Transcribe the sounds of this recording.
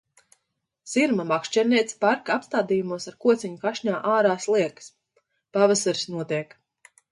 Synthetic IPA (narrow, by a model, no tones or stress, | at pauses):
z̥iɾmamakʃt͡ʃɛɾniɛt̪spaɾkaapst̪aːd̪ijumuɔsaɾkuɔt̪sʲiɲukaʃɲaːʔaːɾaːslˠiɛks | pavasaɾsnuɔt̪iɛk